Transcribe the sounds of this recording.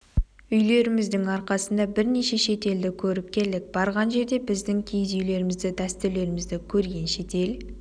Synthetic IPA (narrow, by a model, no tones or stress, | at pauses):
ʏjle̞ɾɪmɪzd̪ɪŋɑɾqɑsənd̪ɑbɪɾne̞ʃe̞ʃe̞t̪e̞ld̪ɪkʲʰɵɾɪp̚kʲʰe̞ld̪ɪk̚b̥ɑɾʁɑnʒe̞ɾd̪e̞bɪzd̪ɪŋkʲʰejzʏjle̞ɾɪmɪzd̪ɪd̪æst̪ɪɾle̞ɾɪmɪzd̪ɪkʲʰɵɾɡʲe̞nʃe̞t̪e̞l